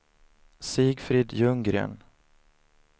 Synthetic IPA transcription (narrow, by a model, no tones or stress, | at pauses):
siːɡfɾiːd̪jɵŋɡɾḛːn